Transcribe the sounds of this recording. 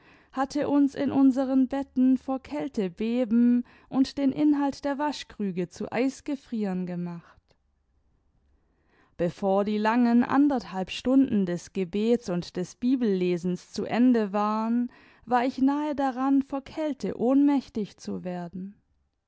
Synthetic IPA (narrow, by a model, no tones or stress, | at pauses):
hatʰəʔʊnsɪ̰nʔʊnzəʁənbɛtn̩foːɐkʰɛltəbeːbm̩ | ʔʊntd̥eːnʔɪnɦaltd̥eːɐvaʃkʁ̥yːɡət͡sṵʔa̰ɪsɡ̥əfʁ̥iːənɡəmaχt | b̥əfoːɐdiːlaŋənʔa̰ndɐthalpʃtʊndn̩dɛsɡ̥əbeːtsʊntd̥ɛsb̥iːbl̩leːzn̩st͡suʔɛndəvaːʁən | vaːɐɪçnaːədaʁanfoːɐkʰɛltʰə̰ʔoːnmɛçtɪçt͡suveːɐdn̩